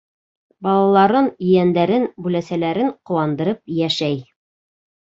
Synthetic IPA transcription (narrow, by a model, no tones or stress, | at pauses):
bɑlˠɑlˠɑɾɤnɵ̆jænd̪æɾɘnbʉlæsælæɾɘɴqŏwˠɑnd̪ɤ̆ɾɤp̚jæʃæj